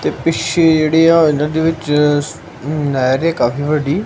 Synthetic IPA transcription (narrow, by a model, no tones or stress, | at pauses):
t̪eːpɪʃed͡ʒeːɽeːãːɪnãːd̪iːʋɪt͡ʃ | naːjɾɛ̃kaːfiːʋəɖiː